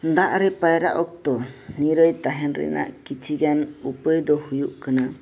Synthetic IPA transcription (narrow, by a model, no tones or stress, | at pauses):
d̪aʔɾɛpajɾaʔɔk̚t̪ɔniɾəjt̪aɦɛnɾɛ̰nʔa̰ʔkit͡ʃʰiɡanupəjd̪ɔhujuʔkana